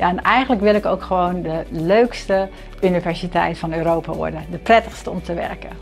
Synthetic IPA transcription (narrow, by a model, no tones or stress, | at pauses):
jaɛnɛjɣənləkʋɪlˠɪkowkxəʋoːndəløːkstə | ynivɛɹsitɛ̰jtfɑnøːɾoːpa̰ʋɔ̰ɹdədəprɛtəxstəɔmtʰəʋɛ̰rkə